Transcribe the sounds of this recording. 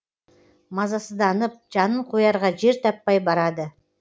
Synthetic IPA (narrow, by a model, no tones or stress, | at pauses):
mɑzɑsəd̪ɑnəp̚ʒɑnəɴqʰojɑɾʁɑʒe̞ɾt̪ʰɑpːɑjbɑɾɑd̪ə